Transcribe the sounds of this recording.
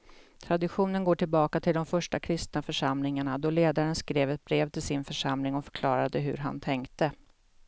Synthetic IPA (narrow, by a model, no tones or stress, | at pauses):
t̪ʰɾad̪ɪɧuːnənɡoːʈɪlbɑːkat̪ʰɪld̪ɔmfœʂʈakʰɾɪst̪nafœʂamlɪŋaɳad̪ɔleːd̪aɾənskɾeːvɛt̪̚bɾeːvt̪ʰɪlsɪnfœʂamlɪŋɔfœ̥ɾkʰlɑːɾad̪əɦɵ̰ɾɦa̰nt̪ʰɛŋkt̪ə